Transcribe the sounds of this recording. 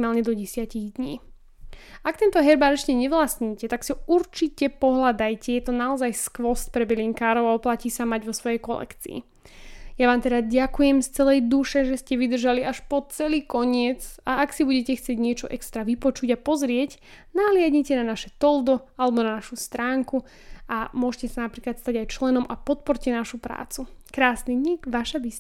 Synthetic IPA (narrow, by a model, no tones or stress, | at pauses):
maːlɲɛd̪ɔɟɛsɪaciɣd̪ɲiː | ak̚t̪ɛnt̪ɔɦɛɾbaɾɛt͡ʃcɛɲɛʋlasɲiːcɛt̪aksiɔuɾt͡ʃicɛpɔɦlad̪ajcɛjɛt̪ɔnaɔzajskʋɔst̪pɾɛbɛliːŋkaːɾɔʊaɔplaciːsamaɟʋɔsʋɔjɛjkɔlɛ̰kt͡sḭḭ | jaʋaːmt̪ɛd̪aɟakujɛmst͡sɛlɛjd̪uʃɛʒɛscɛʋid̪r̩ʒaliaʃpɔt͡sɛliːkɔɲɪɛt͡saaksibuɟɛcɛxt͡sɪɛɟɲɪɛt͡ʃɔʔɛkst̪ɾaʋipɔt͡ʃuɟapɔzɾɪɛc | naɦlɪaɟɲicɛnanaʃɛt̪ɔld̪ɔalɛbɔnanaʃust̪ɾaːŋku | amʊɔʒcɛsanapɾiːklat̪st̪aɟajt͡ʃlɛnɔmapɔt̪̚pɔɾcɛnaʃupɾa̰ːt͡sukɾaːsniɲikʋaʃabis